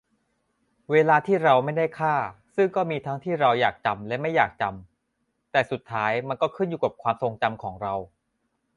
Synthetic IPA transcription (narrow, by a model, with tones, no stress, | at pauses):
weː˧laː˧t̪ʰiː˥˩ɾa˧wma˥˩jda˥˩jkʰaː˥˩ | sɯ˥˩ŋkɔː˥˩miː˧t̪ʰa˦˥ŋt̪ʰiː˥˩ɾa˧wjaː˨˩k̚t͡ɕa˧mlɛ˦˥ma˥˩jaː˨˩k̚t͡ɕa˧m | t̪ɛː˨˩su˨˩t̪ʰːaː˦˥jma˧nkɔː˥˩kʰɯ˥˩njuː˨˩kaː˨˩p̚kʰwaː˧mso˧ŋt͡ɕa˧mkʰɔː˩˦ŋɾa˧w